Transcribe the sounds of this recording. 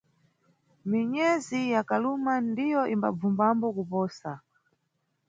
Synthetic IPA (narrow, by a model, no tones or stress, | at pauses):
miɲɛzijakalumandijɔʔimba̰b͡vumbambɔkupɔːsa